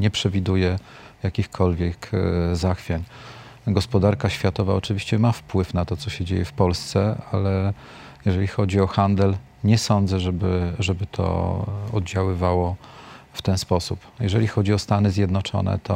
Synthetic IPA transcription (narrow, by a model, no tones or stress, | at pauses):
ɲɛpʂɛvʲid̪ujɛ | jakʲixkʰɔlvʲjɛkzaxfʲjaɲ | ɡɔspɔd̪aɾkaɕfʲjat̪ɔvaɔt͡ʂɘvʲiɕt͡ɕɛmafpwɘfnat̪ɔt̪sɔɕɛd͡ʑḛjɛfpɔlst̪sɛalɛ | jɛʐɛlʲixɔd͡ʑiɔxand̪ɛl | ɲɛsɔnd̪zɛʐɛbɘʐɛbɘt̪ʰɔ̰ɔd̪d͡ʑawɘvawɔft̪ɛnspɔsupjɛʐɛlʲixɔd͡ʑiɔst̪anɘzʲjɛd̪nɔt͡ʂɔ̰nɛ̰t̪ʰɔ̰